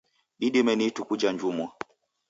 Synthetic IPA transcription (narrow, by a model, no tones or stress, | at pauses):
iɗimɛnitukud͡ʒaɲd͡ʒumwa